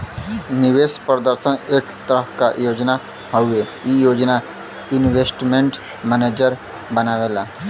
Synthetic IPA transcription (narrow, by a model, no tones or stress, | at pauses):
niʋeːspɾəd̪əɾsəneːkt̪əɾəɦka̰joːd͡ʒna | ɦowe | jijoːd͡ʒna | inʋesʈmẽɳʈ | mɛneːd͡ʒəɾ | bənaːʋela